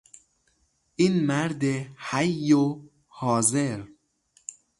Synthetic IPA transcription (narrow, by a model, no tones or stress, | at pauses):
ʔiːnmæɾd̪ehæjːo | hɒːzeɾ